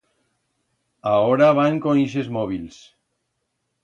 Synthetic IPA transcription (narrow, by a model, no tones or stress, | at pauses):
aoɾaβaŋkoiʃ̬ezmɔβils